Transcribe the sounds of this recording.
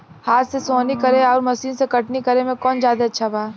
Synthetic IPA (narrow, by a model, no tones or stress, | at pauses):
haːɾsesoːnikɐɾeɔːɾmɐsiːnsekɐʈnikɐɾemẽkɔːnd͡ʒaːd̪eɐtːʃʰabaː